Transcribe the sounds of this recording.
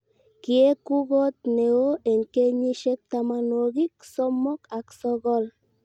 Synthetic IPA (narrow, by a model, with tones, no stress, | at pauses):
ki˨e˦ku˦ɡo˦t̪̚ne˨o˦e˨ŋke˦ɲi˦ʃe˦k̚t̪a˧ma˧no˧ɡi˦k̚so˦mːo˦ka˨kso˦ɣo˦l